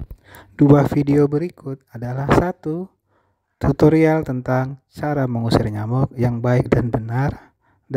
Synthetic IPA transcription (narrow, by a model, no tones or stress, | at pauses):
d̥uafideobəɾikʊt̪̚adalahsat̪u | t̪ut̪oɾialt̪ənt̪aŋt͡ʃaɾaməŋusɪrɲamɔk̚jaŋbaɪk̚danbənar